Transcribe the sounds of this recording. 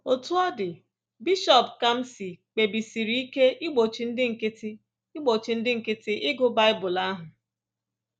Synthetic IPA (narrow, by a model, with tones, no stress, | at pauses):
o˨tu˦ɔ˦dɪ˨ | bi˦ʃɔ˨pka˦m̩˦si˨k͡pe˨bi˨si˨ɾi˨˦i˦ke˦ʔi˦ɡ͡bo˨t͡ʃi˨n̩˦dɪ˦ŋ̩˨kɪ˦tɪ˦ | i˦ɡ͡bo˨t͡ʃi˨n̩˦dɪ˦ŋ̩˨kɪ˦tɪ˦ʔɪ˦ɡʊ˦ba˦ɪ˦bʊ˨la˦ɦʊ˨